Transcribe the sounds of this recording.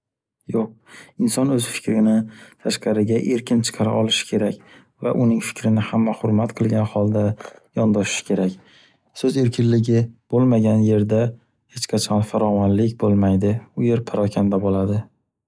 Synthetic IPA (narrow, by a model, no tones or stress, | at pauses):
joq̚ɪnsɒnɵz̥fɪ̥kʲɾɪnɪt̪ʰaʃqɑɾɪɡʲaʔe̞ɾkʲɪnt͡ʃʰɨ̥qʰɑɾa̰ʔɒlˠɪʃɪ̥kʲʰe̞ɾakʲ | va̰ʔʊnɪŋfɪ̥kʲʰɾɪnɪhamːahʊɾmat̪qʰɨlˠɡʲanhɒlˠd̪ajɒnd̪ɒʃɪ̥ʃɪ̥kʲʰe̞ɾakʲ | sɵze̞ɾkʲʰɪnlɪɡʲɪb̥olˠmaɡʲanje̞ɾd̪a | het͡ʃqʰɑt͡ʃʰɒnfaɾɒvɒnlɪkʲbolˠmajd̪ɪʊje̞ɾpʰaɾɒkʲʰand̪abolad̪ɪ